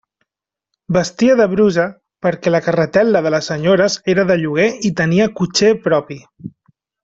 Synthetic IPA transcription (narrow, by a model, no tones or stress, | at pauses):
bəst̪iəðəβɾuzə | pəɾkɛləkərət̪ɛlˠəðələsːəɲoɾəzeɾəðəʎuɣ̞eit̪əniəkut͡ʃepɾɔpi